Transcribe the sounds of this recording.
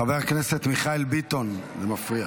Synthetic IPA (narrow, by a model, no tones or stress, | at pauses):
aveʁkne̞set̪miχaelbit̪o̞n | vemafʁia